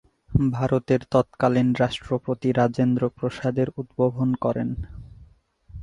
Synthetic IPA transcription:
bʱaɾot̪eɾt̪ɔt̪kalinɾaʃʈɾopot̪iɾad͡ʑend̪ɾopɾoʃad̪eɾud̪bobʱonkɔɾḛn

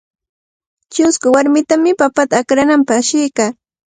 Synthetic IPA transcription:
t͡ʃʊskʊwaɾmɪt̪amɪpapat̪aːkɾanampaχʃɪjkaː

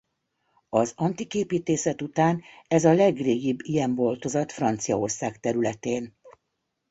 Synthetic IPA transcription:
ɒzɒnt̪ikeːpiːt̪eːsɛt̪ut̪aːnɛzɒlɛɡreːɡibːijɛɱbolt̪o̞zɒt̪frɒnt̪sijɒo̞rsaːkt̪ɛɾylɛt̪eːn

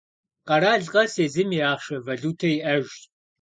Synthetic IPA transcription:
qɐɾaːɮqʼɐseːzɨmiaːχʃɐvɐɮuːtʰɐiʔɐʒʼ

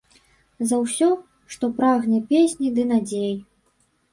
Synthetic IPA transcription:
zɐwsʲɔ | ʂt̪ɔpɾaɣnʲɛpʲesʲnʲid̪ɨnad͡zʲej

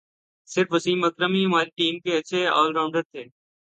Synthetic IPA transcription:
sɪɾfəsiːməkɾəmimaːliʈiːmkeɐt͡ʃʰeɔ̰ːlɾaːʊɳɖəɾt̪ʰeː

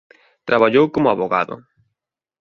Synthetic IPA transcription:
t̪ɾaβaʎowkomʊaβoɣa̰ðʊ̰

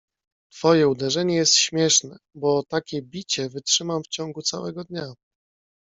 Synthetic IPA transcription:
t̪fɔjɛud̪ɛʐɛɲɛjɛst̪ɕmʲjɛʂnɛ | bɔt̪akʲɛbʲit͡ɕɛvɘtʂɘmamft͡ɕɔŋɡut̪sa̰wɛ̰ɡɔd̪ɲa

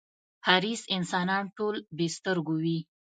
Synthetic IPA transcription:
haɾisɪnsɑnɑnʈolbest̪əɾɡowi

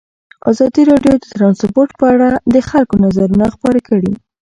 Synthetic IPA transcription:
a̰zɑd̪iɾɑɖjod̪ət̪ɾɑnsboɾʈ̚pəaɽad̪əxalkonazaɾunaxpɑɾakəɽi

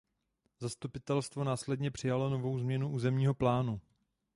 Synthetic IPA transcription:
zast̪upɪt̪ɛlst̪vo̞naːslɛdɲɛpr̥ɪjalono̞vo̞wzmɲɛnuʔuːzɛmɲiːɦo̞plaːnu

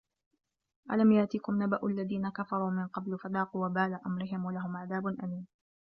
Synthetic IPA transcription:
ʔa̰lamjaʕt̪iːkʊmnabaʔʊʔlːaðiːnakafɑɾˤuːmɪnqɑblfad̪ɑːquwabaːlaʔamɾɪɦɪmwalaɦʊmʕaðaːbʊnʔamiːm

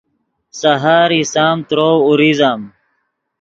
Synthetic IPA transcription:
sɐɦaːɾisaːmt̪ɾowuɾizam

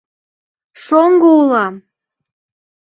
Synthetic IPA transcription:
ʃoŋɡoulˠɑm

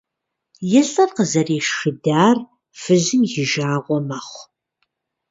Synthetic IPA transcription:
jɛɬʼɐrqəzɐreːʃʃɨdaːr | fɨʑɨmjɪʒaːʁʷɔmɐχʷ

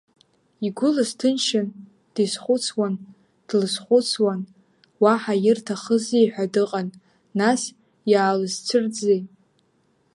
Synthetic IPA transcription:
iɡʷʊlɨstʰɨnʃan | d̥isχʷʊt͡sʰwan | d̥lɨsχʷʊt͡sʰwan | waħajɪrtʰaχəzejħʷᶣadɨqʼanː | as | jaːlɨzt͡sʷʰɨrd͡zej

